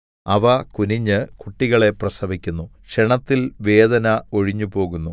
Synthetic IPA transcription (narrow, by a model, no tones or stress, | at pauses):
ɐʋɐkuniɲːɨkuʈːiɣɐɭe̞prɐsɐʋikʲːunːu | ʂeɳɐt̪ːilʋe̞ːd̪ɐnɐo̞ɻiɲːupo̞ːɣunːu